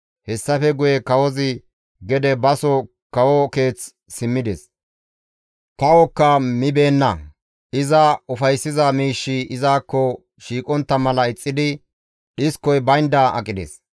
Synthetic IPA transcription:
hɛsːɐfɛɡʊjɛkɐwɔzɪ | ɡɛd̪ɛbɐsɔ | kɐwɔke̞ːt͡s | sɪmːɪd̪ɛs | t̪ɐwɔkːɐmɪbe̞ːnːɐ | ɪzɐʊfɐjsːɪzɐmiːʃːɪɪzaːkːɔ | ʃiːkʼɔnt̪ːɐmɐlɐɪt͡sʼːɪd̪ɪ | ɗɪskːɔjbɐjnd̪aʔɐ̰kʼːɪd̪ɛ̰s

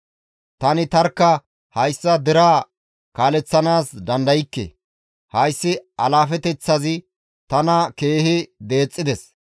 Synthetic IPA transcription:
t̪ɐnɪt̪ɐɾkːɐ | hɐjsːɐd̪ɪɾaː | kaːlɛt͡sːɐnaːsd̪ɐnd̪ɐjɪkːɛ̰ | hɐjsːɪɐlaːfɛt̪ɛt͡sːɐzɪ | t̪ɐnɐke̞ːhɪd̪e̞ːt͡sʼːɪd̪ɛs

